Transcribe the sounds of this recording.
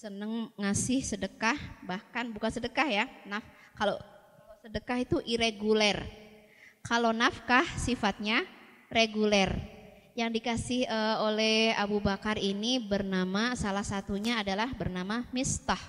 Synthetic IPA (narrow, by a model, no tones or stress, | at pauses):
sənəŋŋasɪhsədəkahbahkanbukansədəkahjanaf | kalo | osədəkaɦit̪uʔiɾeɡulɛr | kalonafkahsifat̪̚ɲa | reɡulɛr | jaŋdikasɪhəolɛha̰bubakarinibərnamasalahsat̪uɲaːdalahbərnamamist̪ah